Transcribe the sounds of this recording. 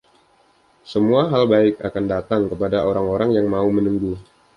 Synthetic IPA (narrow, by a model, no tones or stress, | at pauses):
səmuaɦalbaɪka̰kandat̪aŋkəpadaʔoɾaŋoɾaŋjaŋmaumənuŋɡu